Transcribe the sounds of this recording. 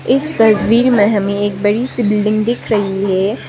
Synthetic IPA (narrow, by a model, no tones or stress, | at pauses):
ɪst̪ɐswiːɾmẽɦɐmẽeːk̚bɐɽisibɪlɖɪ̃ŋɡd̪ɪkʰɾɐɦiɦɛː